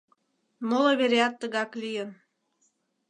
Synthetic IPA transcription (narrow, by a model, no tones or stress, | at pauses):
moləβeɾeɑt̪ːəɣɑklʲijən